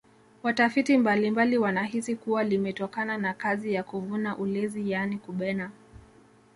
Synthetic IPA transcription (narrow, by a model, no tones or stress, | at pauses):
watafitimbalimbaliwanahisikuwalimɛtɔkananakazijakuvunaʔulɛzijanikuɓɛna